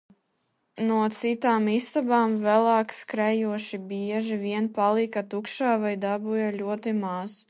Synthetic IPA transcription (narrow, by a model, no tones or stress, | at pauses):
nuɔt̪sit̪aːmist̪abaːmvælˠaːkskɾɛjuɔʃibʲiɛʒiviɛnpalˠikat̪ukʃaːvajd̪abujalʲuɔt̪imaz̥